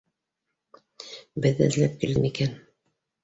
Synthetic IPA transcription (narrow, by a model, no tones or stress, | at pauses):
bɘðːæ̰zlæp̚kildɘmikæn